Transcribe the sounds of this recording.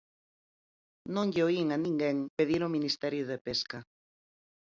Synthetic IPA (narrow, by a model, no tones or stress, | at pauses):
nõŋʎeoiŋanĩŋɡɛŋpeðiɾominist̪ɛɾjʊðepeskɐ